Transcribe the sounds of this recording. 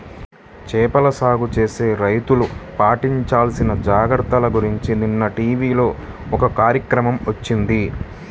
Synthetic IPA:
t͡ʃɛːpɐlɐsaːɡut͡ʃeːse̞ːɾɐjt̪ulupaːʈiɲt͡ʃaːlsinɐd͡ʒaːɡɐɾt̪ɐlɐɡuɾiɲt͡ʃininːɐʈiːʋiːlo̞ː | ɔkɐkaːɾjɐkɾɐmɐmʋɐt͡ʃːind̪i

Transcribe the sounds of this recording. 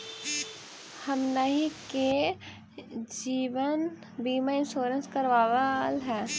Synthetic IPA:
hɐmnəɦike | d͡ʒiːʋən | biːmaɪ̃nʃoːɾənskɐɾʋaːʋəlɦɛː

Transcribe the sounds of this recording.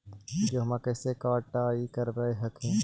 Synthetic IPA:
d͡ʒoːɦmãːkəːsekaːʈaːikəɾʋəeɦɐkʰẽː

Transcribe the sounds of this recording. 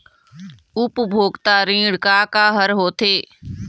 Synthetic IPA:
ʊpbʱoːɡt̪aːɾĩːɽkaːkaːɦəɾɦoːt̪ʰeː

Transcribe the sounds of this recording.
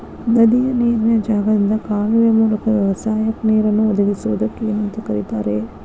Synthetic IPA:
nɐd̪ijɐniːɾnɐd͡ʒaːɡɐd̪ind̪ɐkaːliʋjɐmuːlɐkɐd̪ɐʋɐsaːjɐkniːɾɐnːuɔd̪ɐɡisuʋud̪ɐkːemɐnt̪ɐkɐɾit̪aːɾe

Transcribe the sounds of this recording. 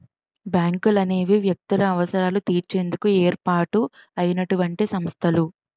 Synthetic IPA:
bjaːŋkulɐne̞ːʋiʋjɐk̚t̪ulɐːʋɐsɐɾaːlut̪iːɾt͡ʃe̞ːnd̪ukueːɾpaːʈuɐjɐnɐʈuʋɐɳʈeːsɐmst̪ʰɐlu

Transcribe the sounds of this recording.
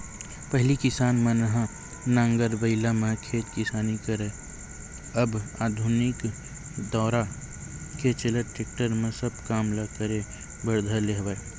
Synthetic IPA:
pəɦlikɪsaːnmenəɦã | nãːŋɡəɾbəɪlamẽkʰeːt̪kɪsaːnikəɾe | əbaːd̪ʱʊnɪk | d̪ɔːɾa | ket͡ʃeleʈɾeːk̚ʈəɾmẽsəb̚kaːmlakəɾe | bəɾd̪ʱaleɦba

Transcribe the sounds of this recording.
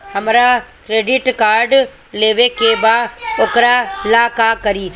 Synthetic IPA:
hɐmɾakɾeːɖɪʈkaːɾɖ | leːʋekebaoːkɾaɪlaːkakɐɾiː

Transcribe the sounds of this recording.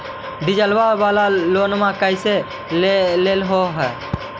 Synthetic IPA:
d̪id͡ʒəlbabalalonmãkəjse | lelelɦoɦɛ

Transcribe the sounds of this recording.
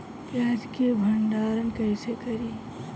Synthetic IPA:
pjaːd͡ʒkebʱəɳɖaːɾənkəɪsekəɾiː

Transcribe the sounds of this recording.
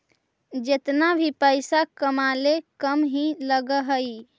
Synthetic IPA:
d͡ʒet̪nabʱipəjsakəmalekəmɦĩləɡəɦəi

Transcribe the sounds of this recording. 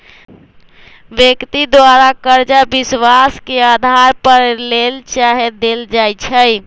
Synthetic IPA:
ʋjəkt̪id̪waɾakəɾd͡ʒabiswaskead̪ʱaɾpəɾlelt͡ʃaɦed̪eld͡ʒajt͡ʃʰəj

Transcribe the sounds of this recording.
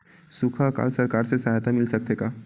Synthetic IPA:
sukʰaka̰lsəɾkaɾsesaɦat̪amilsək̚t̪eka

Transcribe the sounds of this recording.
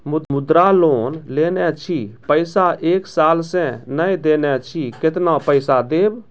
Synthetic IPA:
mʊmʊd̪ɾaloːnlenɛt͡ʃʰipəɪsaʔeːksaːlsẽnəjd̪enɛt͡ʃʰikɪt̪napəɪsad̪eːb

